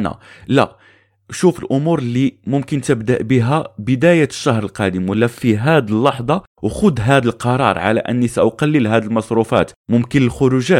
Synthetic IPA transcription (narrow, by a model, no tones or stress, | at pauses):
næ̰læ̰ | ʃufəlʔʊmuɾlːimʊmkənt̪əbd̪əʔbəɦæbəd̪æjæʃːɑɦɾˤəlqɑd̪əmwəlːæfiɦæd̪əlːɑħd̪ˤɑ | wxʊd̪ɦæd̪əlqɑɾˤɑ̰ɾˤʕa̰læ̰ʔə̰nːisæʔʊqɑlːəlɦæd̪əlmɑsˤɾufæ̰t̪mʊmkənəlxʊɾuʒæ